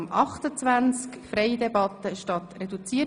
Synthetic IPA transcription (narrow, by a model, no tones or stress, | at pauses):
mʔɑχt̪ət͡sʋænt͡skfɾɛɪdɛbɑt̪əʃtɑt̪ɾɛdut͡siə